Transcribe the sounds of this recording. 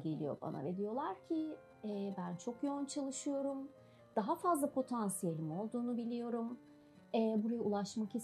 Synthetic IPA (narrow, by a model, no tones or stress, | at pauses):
ɡe̞lʲḭjo̞̰ba̰na̰ved̪ijo̞lˠaɾcʰɪ | ɛːbænt͡ʃʰokjount͡ʃʰalˠɯʃɯjo̞ɾum | d̪̥aɦafazlˠapʰo̞t̪ʰansije̞lʲimo̞lˠd̪uːnubilʲijo̞ɾum | ɛːbuɾajaulˠaʃmakis